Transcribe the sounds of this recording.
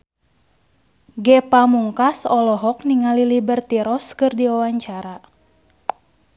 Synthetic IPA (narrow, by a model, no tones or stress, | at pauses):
ɡɛpamuŋkasɔlɔɦɔk̚niŋalilibərt̪iɾɔskɨrdiwawaɲt͡ʃaɾa